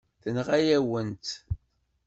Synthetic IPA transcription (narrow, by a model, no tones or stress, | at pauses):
θənʁæjæwənt̪